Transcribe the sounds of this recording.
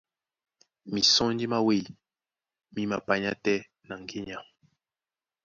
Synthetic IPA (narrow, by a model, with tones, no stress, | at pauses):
mi˨sɔ̃˦n˦di˦ma˦we˦˨l | mi˦ma˨pa˨ɲa˦tɛ˦ | na˨ŋ˨ɡe˦ɲa˨